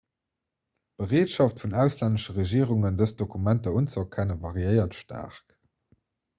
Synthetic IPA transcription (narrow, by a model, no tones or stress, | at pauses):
b̥əʁeːtʃɑftfunæʊslændəʃəʁeʒiːəʁuŋəndəsd̥okʰumæntɐunt͡sɐkʰænəvɑʁiəɪɐtʃta̰ːʁk